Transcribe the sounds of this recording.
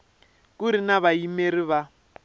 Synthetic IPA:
kuɾinaβaimeɾiβa

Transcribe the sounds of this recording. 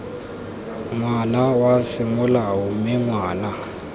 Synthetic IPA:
ŋwanawasɪmʊlawumɪŋwaːna

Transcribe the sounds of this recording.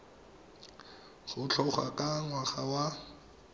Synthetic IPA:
χʊt͡ɬʰɔχa̰kʼaŋwaχawa

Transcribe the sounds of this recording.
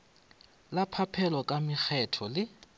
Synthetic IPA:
lapʰapʰɛlɔkʼamɪk͡xʰɛtʰɔlɪ

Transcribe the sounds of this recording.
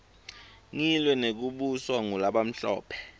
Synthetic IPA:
ŋilwɛnek̬uɓuswaŋulaɓam̩ɬɔ̰ːpʰɛ̥

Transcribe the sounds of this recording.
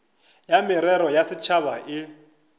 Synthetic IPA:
jamɪɾɛɾɔjasɪt͡ʃʰaβaʔɪ

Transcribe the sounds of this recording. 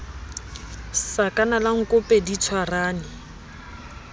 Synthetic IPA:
sakʼanalaŋ̩kʼʊpʼedit͡sʰwaraːnɪ

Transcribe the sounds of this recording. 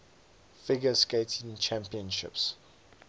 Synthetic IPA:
fɪɡəsketʰɪ̃ŋt͡ʃʰæ̃mpiə̃nʃɪ̰ps

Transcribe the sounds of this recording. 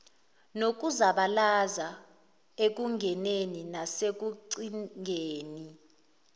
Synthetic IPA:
nok̬uzaɓalaza | ek̬uŋʱɛneninasek̬uǀiŋʱeːni

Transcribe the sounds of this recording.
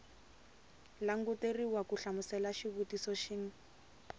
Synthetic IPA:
laŋ̩ɡuteriwakuɬamusɛlaʃiβutisɔʃiŋ̩

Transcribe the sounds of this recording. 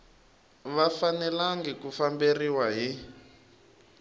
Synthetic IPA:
βafanɛlaŋɡɛkufamberiwaɦi

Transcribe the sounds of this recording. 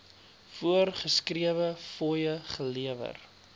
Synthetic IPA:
fuərχəskriəvəfɔjəχəliəvə̰r

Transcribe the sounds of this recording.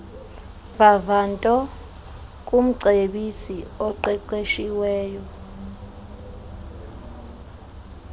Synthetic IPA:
vavantʼɔ | k̬ʼum̩ǀʱeɓisiɔǃɛǃeʃiwɛːjɔ

